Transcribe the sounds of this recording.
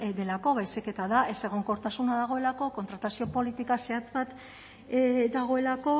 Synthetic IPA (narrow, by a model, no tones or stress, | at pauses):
d̪e̞lako̞βajseke̞t̪aðae̞se̞ɣ̞o̞ŋko̞ɾt̪asunaðaɣ̞o̞elako̞kont̪ɾat̪asio̞po̞lit̪ikase̞at͡sbat̪ | d̪aɣ̞o̞e̞lako̞